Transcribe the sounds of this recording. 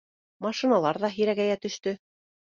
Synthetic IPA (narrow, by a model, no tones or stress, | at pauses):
mɑʃinɑlˠɑɾðɑɦiɾæɣæjæt̪ɵ̆ʃt̪ɵ